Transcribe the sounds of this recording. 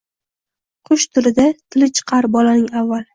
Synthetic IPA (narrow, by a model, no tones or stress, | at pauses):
qʰʊʃt̪ʰʊɾɪd̪at̪ʰɪlɪt͡ʃʰɨ̥qʰɑɾbɒlanɪŋavːalˠ